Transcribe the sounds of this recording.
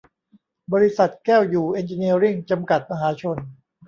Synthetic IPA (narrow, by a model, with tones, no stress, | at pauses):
bɔː˧ɾi˦˥sa˨˩t̪̚kɛː˥˩wjuː˨˩ʔe˧nt͡ɕi˧ni˧ɾi˥˩ŋt͡ɕa˧mka˨˩t̪̚ma˧ɦaː˩˦t͡ɕʰo˧n